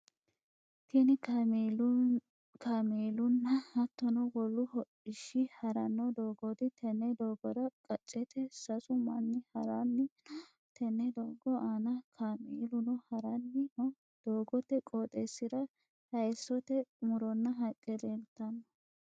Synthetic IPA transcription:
kinɪ | kameːlʊnːɐhɐt̪ːɔnɔwɔlːʊhɔᶑɪʃɪhɐɾɐnːɔd̪oːɡɔd̪ɪt̪ɛnːɛd̪oːɡɔd̪ɐkʼɐt͡ʃʼːɛt̪ɛsɐsʊmɐnːɪhɐɾanːɪ | t̪ɛnːɛd̪oːɡɔʔaːnɐkʰameːlʊnɔhɐɾɐnːɪɔ | d̪̥oːɡɔt̪ːɛkʼoːt̪ʼesːɪd̪ɐ | hɐjsːɔt̪ɛmʊɾɔnːɐɦɐkʼːɛd̪ent̪ːɐnːɐ

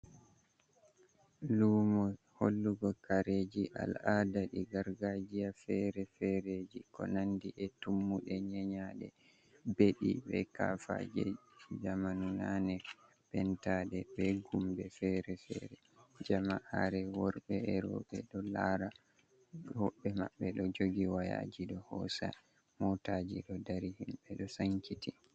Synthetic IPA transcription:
lumɔ | ho̰lːuɡɔkaɾed͡ʒiʔa̰ladaɗiɡaɾɡad͡ʒijafɛɾɛfɛɾed͡ʒikɔ̰nandiʔɛtumːuɗɛɲɛɲaɗɛ̰ | beɗḭbɛ̰ka̰fa̰d͡ʒɛ̰d͡ʒamanunanɛ | pɛntaɗɛbɛɡumbɛfɛɾɛfɛ̰ɾɛ | d͡ʒamaʔaɾɛwɔɾɓɛɛɾɔ̰ɓɛ̰ɗɔlaɾa | hɔɓɛma̰ɓːɛɗɔd͡ʒoɡiwaja̰d͡ʒiɗɔhɔ̰sa̰ | mɔtad͡ʒiɗɔdaɾihimɓɛɗɔsaŋkiti

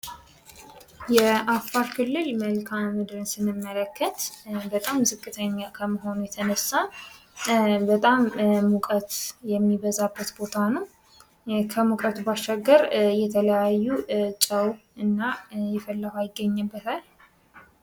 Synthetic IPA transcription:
jɛʔafːaɾkʰɨlːɨlməlkʰammɨd̪ɾɨnsɨnɨmːələkːət̪bət̪ʼamːɨzɨkʼːɨt̪ʰəɲːakʰəməɦo̞nujɛt̪ʰənəsːa | bət̪ʼamːukʼət̪jɛmːiβəzabːət̪bo̞t̪ʰanəw | kʰəmukʼət̪ʰubasːaɡːəɾjɛt̪ʰələjajːut͡ʃʼəwɨnːajɛfəlːəɡajɪɡːəɲːɨbːət̪ʰal

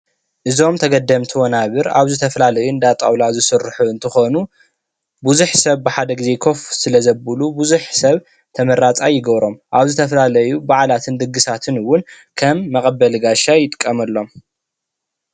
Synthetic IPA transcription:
ʔɨzo̞mt̪ʰɐɡɐd̪ːɐmt̪ʰiwonaβɨɾa̰βzɨt̪ʰɐfɐlalɐjund̪at̪ʼa̰wlazɨsɨɾħuɨnt̪ʰɨxo̞nu | buzuħsɐβbɨħad̪ɐɡize̞kʰo̞fsɨlɐzɐbulubuzuħsɐβ | t̪ʰɐmɐɾat͡sʼajɪɡɐβɾo̞mʔaβzɨt̪ʰɐflalɐjubaʕlat̪ʰɨnd̪ɨɡːɨsat̪ʰɨnɨwːʊn | kʰɐmːɐχʼɐbɐlɨɡaʃajɪt̪ʼɨ̥kʼːɐmɐlːo̞m

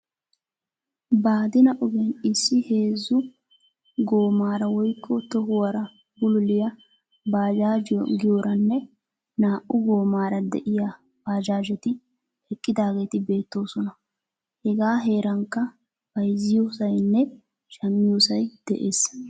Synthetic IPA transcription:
baːd̪ɪnɐʔʊɡɛnɪsːɪhe̞ːzːʊ | ɡo̞ːmaːɾɐwɔjkʰʼːɔt̪ɔhʊwɐɾɐ | bʊlʊlɪjɐ | baːd͡ʒaːd͡ʒ̰ɡɪjoɾʔɐnːɛ | naːʔʊɡo̞ːmaːɾɐd̪ɛ̰ʔɪja | b̥aːd͡ʒaːd͡ʒɛt̪ɪ | hɛkʼːɪd̪aːɡe̞ːt̪ɪbe̞ːt̪ːo̞ːsɔnɐ | hɛɡaːɦe̞ːɾɐŋkːɐ | b̥ɐjzːɪjosɐjnːɛ | ʃɐmːɪjoːsɐjd̪̥ɛʔe̞ːs

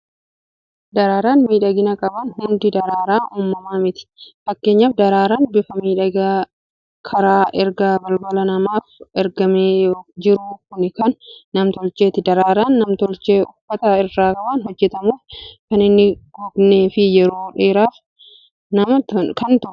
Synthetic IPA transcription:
d̪ɐɾaːɾaːnmiːᶑɐɡɪnɐkʼɐbɐnhʊnd̪ɪd̪ɐɾaːɾaːʔuːmːɐmaːmɪt̪ɪ̥fɐkːe̞ːɲːaːfd̪ɐɾaːɾaːnbɪfɐmiːᶑɐɡaː | kʰɐɾaːʔɛɾɡaːbɐlbɐlɐnɐmaːfɛɾɡɐmeːd͡ʒɪɾuːkʊnɪkɐnːɐmt̪ɔlt͡ʃe̞ːt̪ɪd̪ɐɾaːɾaːnːɐmt̪ɔlt͡ʃe̞ːʊfːɐt̪ɐɪrːaːkʼɐbɐnhɔd͡ʒːɛt̪ɐmuːfkɐnɪnːɪɡ̥ubne̞ːfɪjɛɾo̞ːᶑeːɾaːf | nɐmɐkɐnt̪ʊ

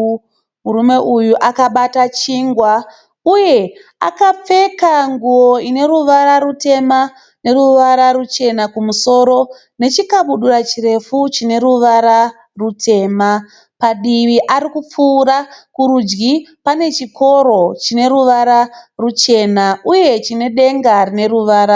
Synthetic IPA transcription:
muɾume̞ʔujuʔakaɓatat͡ʃiːŋɡwa | uje̞a̰kap͡fe̞kaŋɡuo̞ine̞ruʋaɾaɾute̞ma | ne̞ruʋaɾaɾut͡ʃe̞nakumuso̞ɾo̞ | ne̞t͡ʃikaɓuɗurat͡ʃire̞fut͡ʃine̞ɾuʋaɾa | rutʰe̞ːma | paɗiʋiʔaɾikup͡fuːɾakuɾud͡ʒɡipane̞t͡ʃikʰo̞ɾo̞t͡ʃine̞ruʋaɾarut͡ʃe̞naʔuje̞t͡ʃine̞ɗe̞ŋɡarine̞ɾuʋaːɾa

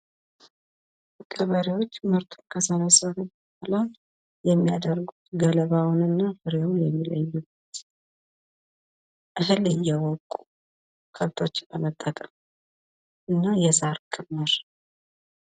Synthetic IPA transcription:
kʼəβəɾiwo̞t͡ʃːməɾt̪ʰu̥nkʰəsənasəβobəhala | jɛmːijad̪əɾɡut̪ɡələβawʊnɨnːafɨɾjewjɛmːiləɲːubːət̪ | ʔɨɦɨlɨjːɛwɔkʼːu̥ | kʰəlt̪ʰo̞t͡ʃːəmət̪ʼːəkʼəm | ʔɨnːajɛsaɾkʼɨmːɨɾ

